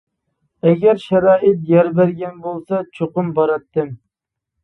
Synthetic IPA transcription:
ɛɡʲɛɾʃɛɾɑːʔɪt̪jɛɾbæɾɡʲɛnbolˠsɑt͡ʃʰoqʊmbɑɾɑt̪ːɨm

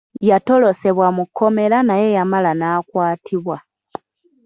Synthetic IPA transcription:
jato̞lo̞se̞βwamukʰːo̞me̞lanaje̞jamalanakwaːtʰiβwa

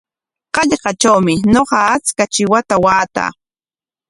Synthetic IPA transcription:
qɑʎɢɑt͡ʃawmɪnoqɑat͡skat͡ʃɪwat̪awaːt̪a̰ː

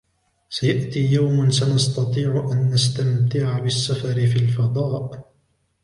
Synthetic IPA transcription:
sajaʔt̪iːjawmansanɑst̪ɑt̪ˤiːʕʊʔanːast̪amt̪ɪʕabɪsːafɑɾɪfiːlfɑd̪ˤɑːʔ

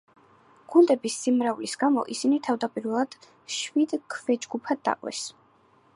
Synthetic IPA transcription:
ɡ̥und̪ɛbisːimɾaulisɡamɔ̰ʔisinit̪ʰavd̪apʼiɾvɛlˠad̪̥ | ʃvid̪kʰvɛd͡ʒɡupʰad̪ːa̰qʼwɛ̰s

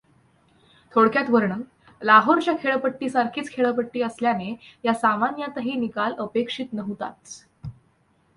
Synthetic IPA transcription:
t̪ʰoɽkjat̪ʋəɾɳən | laɦoɾt͡ɕjakʰeɭəpəʈːiːsaɾkʰiːt͡skʰeɭəpəʈːiːəsljanejasamanjat̪əɦiːnikaləpekʂiːt̪nəɦut̪a̰t̪

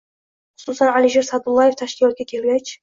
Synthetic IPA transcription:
χʊ̥susanaliʃeɾsad̪ʊlˠːaje̞ft̪ʰaʃkʲɪlˠɒt̪̚ɡʲakʲʰe̞lɡʲat͡ʃ

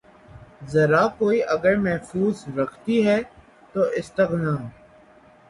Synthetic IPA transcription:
zɐɾaːkoːiʔəɡəɾmɛɦfuːzɾɐkʰt̪iːɦɛː | t̪oːʔɪst̪əɣnãː

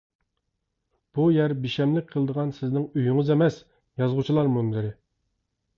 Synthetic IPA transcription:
b̥ujæɾbiʃɛmlɪk̚ʲqʰəlˠɨd̪əʁɑnsɪznɪŋyjyŋɨzemɛs | jɑzʁʊt͡ʃʰilˠɑɾmumlɪɾɪ

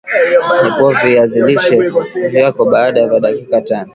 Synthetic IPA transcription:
nikuɔviaziliʃɛvjakɔɓaːɗajavaɗakikatanɔ

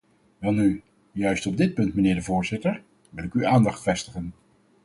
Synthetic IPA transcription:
ʋɛlˠny | jœɥstɔb̚dɪt̚pɵntmənɪːɹdəvʊːɹzɪtəɹ | ʋɪlˠɪkyaːndɑχtfɛstəχən

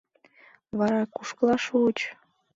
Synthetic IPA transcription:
βɑɾɑkuʃkəlɑʃuut͡ɕ

